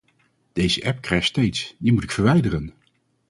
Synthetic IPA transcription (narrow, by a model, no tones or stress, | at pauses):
d̥ejzəʔɛp̚krɛjχstejtsdimutɪkfəɹʋɛjdərən